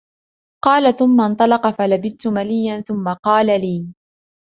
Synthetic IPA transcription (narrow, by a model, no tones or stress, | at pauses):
qɑːlaθʊmːant̪ˤɑlɑqɑfalabɪt̪ʊmalijːanθʊmːaqɑːlaliː